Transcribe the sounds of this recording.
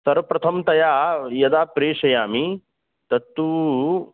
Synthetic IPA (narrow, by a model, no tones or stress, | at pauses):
sɐɾɐpɾɐt̪ʰɐmt̪ɐjaːjɐd̪aːpɾeːʂɐjaːmi | t̪ɐt̪ːuː